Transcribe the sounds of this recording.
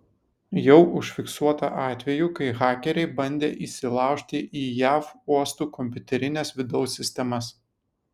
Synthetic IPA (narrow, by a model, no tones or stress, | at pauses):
jɛʊʔʊʃʲfʲɪksuɔt̪ɐʔɑːt̪ʲʋʲɛjuːkɐɪɣɑːkʲɛɾʲɛɪbɐnʲd̪ʲeːʔiːsʲɪlˠɑˑʊʃʲt̪ʲɪʔiːjæːfuɔst̪uːkɔmʲpʲʊt̪ʲɛɾʲɪnʲɛsʋʲɪd̪ɐʊsʲːɪsʲt̪ʲɛmɐs